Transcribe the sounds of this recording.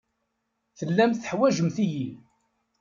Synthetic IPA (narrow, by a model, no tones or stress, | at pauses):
θəlːæmθə̥ħwæʒəmθiji